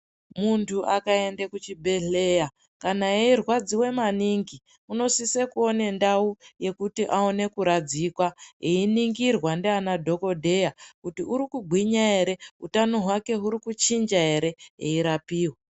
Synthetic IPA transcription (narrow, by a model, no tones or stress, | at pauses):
muntʰuʔakae̞ndekut͡ʃibʱe̞ɮe̞ja | kanaeirwad͡ziwe̞maniŋɡi | uno̞sisekuo̞ne̞ndauje̞kutiʔao̞ne̞kuɾad͡zikwaeiniŋɡirwandeanadʱo̞ko̞dʱe̞jakutiuɾikuɡʱwiɲaɦe̞ɾe̞utanoɦwake̞ɦuɾikut͡ʃind͡ʒaɦe̞ɾe̞ɦeiɾapiːwa